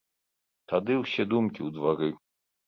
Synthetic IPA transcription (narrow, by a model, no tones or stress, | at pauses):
t̪ad̪ɨwsʲɛd̪umkʲiwd̪vaɾɨ